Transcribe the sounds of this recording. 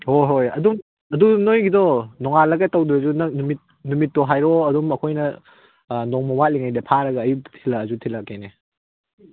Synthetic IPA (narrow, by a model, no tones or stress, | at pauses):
hoɦojɐ̰dum | ɐdunojɡidɔnɔŋalɐɡɐtɐwduɾɐzunɐk̚numit̚ | numit̚ːɔɦajɾɔɐdumɐkʰojnɐ | nɔŋmɐwat̚liŋajdɐpʰaɾɐɡɐːjuttʰilɐːzutʰilɐkene